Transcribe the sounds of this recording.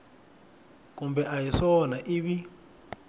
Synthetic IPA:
kumbɛʔajiʂɔnaʔiβi

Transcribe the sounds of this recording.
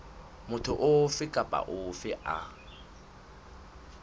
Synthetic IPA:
mʊtʰʊʔʊfɪkʼapʼa̰ʔʊfɪʔa

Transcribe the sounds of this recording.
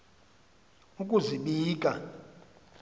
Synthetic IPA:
ukʼuziɓiːkʼa

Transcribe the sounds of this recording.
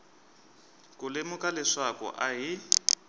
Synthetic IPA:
kulemʊkalɛʂakɔ̰ʔaɦi

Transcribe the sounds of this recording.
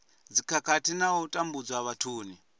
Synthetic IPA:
d͡zikʰakatinautʼambud͡zwaβatʰuːni

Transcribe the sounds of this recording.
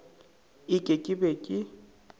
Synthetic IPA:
ɪkʼɪkʼɪbɛkʼɪ

